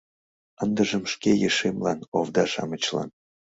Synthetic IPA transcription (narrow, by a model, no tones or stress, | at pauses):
ənd̪əʒəmʃkejəʃemlɑnovd̪ɑʃɑ̰mət͡ɕlɑ̰n